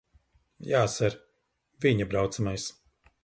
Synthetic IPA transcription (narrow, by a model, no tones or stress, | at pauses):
jaːsɛɾ | viɲabɾawt̪samajs